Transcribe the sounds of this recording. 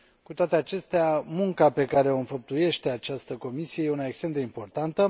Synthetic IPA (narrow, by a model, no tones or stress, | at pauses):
kut̪oat̪e̞at͡ʃe̞st̪eamuŋkape̞kaɾe̞o̞ɨnfəp̚t̪uje̞ʃt̪e̞at͡ʃast̪əko̞misije̞jeunaekst̪ɾemd̪eimpo̞rt̪ant̪ə